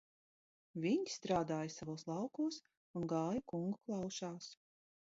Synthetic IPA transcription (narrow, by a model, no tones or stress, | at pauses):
vʲiɲst̪ɾaːd̪aːjasavoːslˠɑwkuːs | unɡɑːjikuŋɡuklˠɑwʃaːs